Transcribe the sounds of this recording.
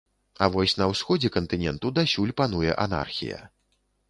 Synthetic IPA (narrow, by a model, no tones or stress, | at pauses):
avɔsʲnɐwsxɔd͡zʲɛkɐnt̪ɨnʲɛnt̪ud̪asʲulʲpan̪ujɛ̰ʔana̰rxʲḭjɐ̰